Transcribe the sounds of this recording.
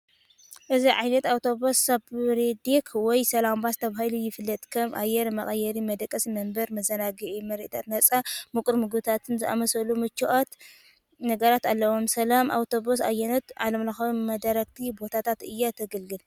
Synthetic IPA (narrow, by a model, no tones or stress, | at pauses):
ʔɨziʕajnɐt̪awt̪ʰo̞bosːabɾed̪ikʰwɔjsɐlambast̪ʰɐβahilujɪfɨlːɐt̪ʼkʰɐmʔa̰jɛɾmɐχʼɐjːɐɾimɐd̪ɐkʼːɐsmɐmbɐɾmɐzɐnaɡɨʕimɐɾʔt̪ʰat̪nɐt͡sʼamɨkʼuɾmɨɡt̪ʰat̪ʰɨnzɨʔa̰mɐsɐlumɨt͡ʃːiʔot̪ | nɐɡɐɾat̪alːɐwomsɐlamʔa̰wt̪ʰo̞bos̬a̰jɛnot̪ʕalɐmlaxɐwmɐd̪aɾɐk̚t̪ʰibo̞t̪ʰat̪ʰat̪ɨjːat̪ʰɐɡɨlɡɨl